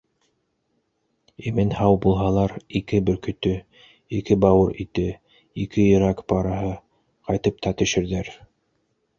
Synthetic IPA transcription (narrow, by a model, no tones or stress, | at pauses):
imɘnhɑwbulˠɦɑlˠɑɾikɘbɵ̆ɾkɵ̆t̪ɵ | ikɘbɑwɤɾḭt̪ɘ | ikɘjɤ̆ɾɑkbɑɾɑɦɤ | qɑjt̪ɤp̚t̪ɑt̪ɵ̆ʃɘ̆ɾðæɾ